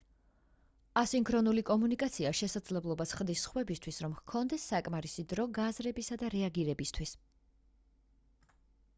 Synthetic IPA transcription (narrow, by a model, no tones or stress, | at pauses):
asiŋkʰɾɔnulikʼɔmunikʼat̪sʰiaʃɛsad̪zlɛblˠɔbasʰχd̪isχwɛbist̪ʰwisɾɔmhkʰɔnd̪ɛsːakʼmaɾisid̪ɾɔɡazɾɛbisad̪aɾɛaɡiɾɛbist̪ʰwis